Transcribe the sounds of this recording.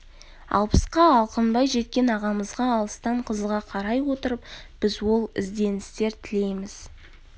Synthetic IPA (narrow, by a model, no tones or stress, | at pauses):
ɑ̰lˠpʰə̥sqɑɑlˠqənbɑjʒe̞t̪̚kʲe̞nɑʁɑməzʁɑːlˠəst̪ɑɴqʰəzʁɑqʰɑɾɑjwo̞t̪əɾəp | b̥ɪzwo̞lˠɪ̰zd̪e̞nɪst̪e̞ɾt̪ʰɪle̞jmɪz̥